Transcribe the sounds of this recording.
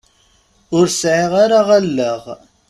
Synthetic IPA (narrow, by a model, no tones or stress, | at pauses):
ʊɾsʕiʁaɾaʁalːəʁ